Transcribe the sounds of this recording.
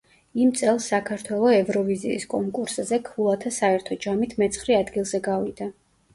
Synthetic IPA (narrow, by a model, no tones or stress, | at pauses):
imt̪sʼɛlˠsːakʰaɾt̪ʰwɛlˠɔɛvɾɔviziːskʼɔŋkʼuɾszɛkʰvulˠat̪ʰasaɛɾt̪ʰɔd͡ʒamit̪ʰmɛt̪sʰχɾiad̪ɡilˠzɛɡavid̪a